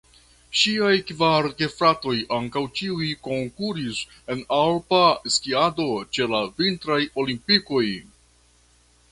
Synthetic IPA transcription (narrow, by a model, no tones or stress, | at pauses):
ʃiajkvaɾɡe̞fɾato̞jaŋkawt͡ʃiujko̞ŋkuɾis | e̞nalpaskiado̞t͡ʃe̞lavintɾajo̞limpiko̞j